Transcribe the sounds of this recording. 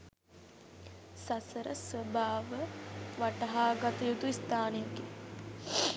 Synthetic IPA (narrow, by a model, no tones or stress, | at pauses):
sasəɾə̰sʋəbʱaːʋəʋaʈɐɦaːɡat̪ɐjut̪uist̪aːnejəɡe